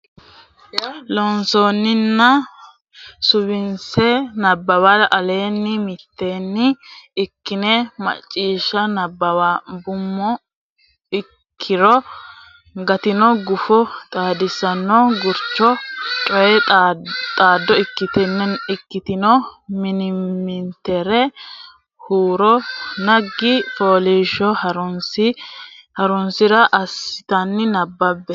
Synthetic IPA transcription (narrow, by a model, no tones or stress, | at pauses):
lɔnsoːnːɪnːɐ | sʊβɪnsɛnɐbːɐwɐlʔɐle̞ːnːɪmɪt̪ːeːnːɪɪkːɪnɛmɐ̰t͡ʃʼːiːʃɐnɐbːɐwabʊmːɔ | ɪ | kʰːɪɾɔ | ɡɐt̪ɪnɔɡʊfɔt̪ʼaːd̪ɪsːɐnːɔɡʊɾt͡ʃːɔt͡ʃʼɔjɛ | t̪ʼaːd̪ːɔɪkːɪt̪ɛnːɛɪkːɪt̪ɪnɔmɪnɪmːɪnt̪ːɛɾɛ | huːɾɔnɐɡːɪfoːliːʃɔhɐɾʊnsɪhɐɾʊnsɪɾɐʔɐsɪ̥t̪ɐnːɪnɐbːɐbːɛ